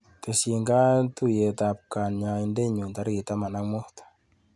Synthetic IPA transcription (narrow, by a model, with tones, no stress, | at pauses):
te˨si˨ŋɡa˦tu˦je˨tap̚ka˨nɲa˨inde˦ɲu˨nta˦ɾi˨ta˦ma˨na˦ŋmuhtḁ